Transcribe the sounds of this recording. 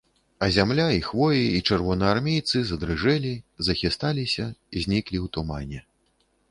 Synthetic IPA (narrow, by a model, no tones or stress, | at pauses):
ɐzʲamlʲaixvɔjiːt͡ʂɛrvɔnɐarmʲejt̪sɨzɐd̪ɾɨʐɛlʲizɐxʲist̪alʲisʲɐizʲnʲiklʲiwt̪umanʲɛ